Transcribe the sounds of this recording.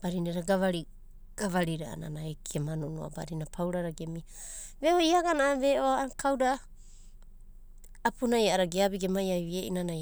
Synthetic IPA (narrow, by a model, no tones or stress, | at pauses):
b̥aɾinaɾaɡaβaɾi | ɡ̥aβaɾiɾaa̰na̰naekʰiemanunoa̰ba̰ɾinapʰawɾaɾaɡe̞mi | βehojaɡanaβe̞ʔoakʰawda | punajaaɾaɡeabiɡemajajβieʔḭnanaj